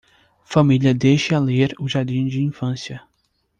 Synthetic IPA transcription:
familjɐd̪ejʃaleɾʊʒaɾd͡ʒĩd͡ʒɪĩfɐ̃sjɐ

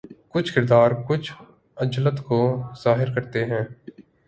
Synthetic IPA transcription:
kʊt͡ʃʰkɪɾd̪aːɾkʊt͡ʃʰ | əd͡ʒlət̪koz̥aːɦɪɾkəɾt̪eɦɛ̃ː

